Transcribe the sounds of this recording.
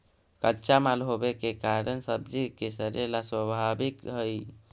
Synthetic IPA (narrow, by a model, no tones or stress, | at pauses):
kətːt͡ʃamalɦobekekaɾənsəbd͡ʒikesəɾelaswəbʱabikɦəj